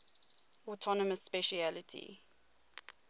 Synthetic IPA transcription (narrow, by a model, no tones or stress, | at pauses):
ɔtʰɔnəməsːpɛʃialɪtʰḭ